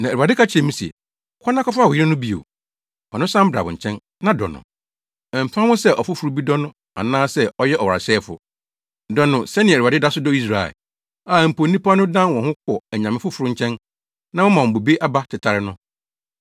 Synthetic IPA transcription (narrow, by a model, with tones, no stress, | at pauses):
nã˨e˨ɾa˨dɪ˦kʰa˦t͡ɕʰɛ̃˨mũ˦si˨ɛ̰˨ | kʰʷɔ˦nã˦kʰɔ˦fʊ˦a˨wʊ˨jɪ˦ɾɛ˦nʊ̃˦bi˦o̰˨ | ɔ̰˨nʊ̃˦sã˦m̩˦bɾa̰˨bʊ̰̃˨ɲ̩˨t͡ɕʰɛ̃˦n | nã˦dɔ̰˨nʊ̰̃˨ | m̩˨pʰã˦hʊ̃˦sɛ˦ʔɔ˨fʊ˦fʊ˨ɾu˦bi˦dɔ˦nʊ̃˦ | a̰˨nãː˦sɛ˦ɔ˦jɛ˦ʔɔ˨ɔ˨a̰˨sɛː˦fʊ̰˨ | dɔ˨nʊ̃˨sɛ˦nɪ̃˨a˨dɪ˦da˦sʊ˦dɔ˦i˦s̬ɾa˨ɛ̰˨ | aː˨m̩˨pʰo˨˦nĩ˦pʰa˦nʊ̃˦dã˦nwɔ̃˨hʊ̃˦kʰɔ˨ɲã˨mɪ̃˦fʊ˦fʊ˨ɾʊ˦ɲ̩˦t͡ɕʰɛ̃˦n | nã˦wʊ̃˦mã˨ɔ̃˨bo˨be˦ʔa˦ba˦tʰɪ˨tʰa˨ɾɪ˦nʊ̃˦